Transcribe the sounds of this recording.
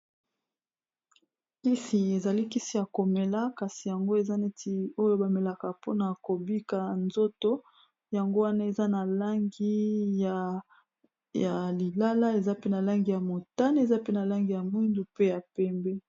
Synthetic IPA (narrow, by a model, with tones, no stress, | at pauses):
ki˦si˨e˨za˨li˦ki˦si˨ja˨ko˨me˨la˦ka˨si˨ja˨ŋɡo˦e˨za˦ne˦tʰi˦o˦jo˦ba˨me˨la˨ka˨po˦na˨ko˨bi˦ka˨nzo˦to˦ | ja˨ŋɡo˦wa˦na˦e˨za˦na˨la˦ŋɡi˦ja˨ | a˨li˨la˦la˦e˨za˦pe˦na˨la˦ŋɡi˨ja˨mo˨ta˦n˦e˨za˦pe˦na˨la˦ŋɡi˨ja˨mwi˦ndu˨pe˦ja˨pɛ˦mbɛ˦